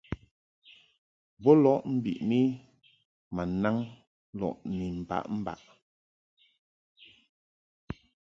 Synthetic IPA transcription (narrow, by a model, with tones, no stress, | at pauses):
bɔ˦lɔ˦ʔm̩˦bḭ˨ʔmi˦ | ma˨na˦ŋ | lɔ̰˨ʔni˨m̩˨ba̰˦ʔm̩˦ba̰˨ʔ